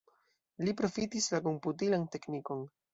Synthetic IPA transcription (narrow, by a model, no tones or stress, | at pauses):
lipɾo̞fitislako̞mputilante̞kniko̞n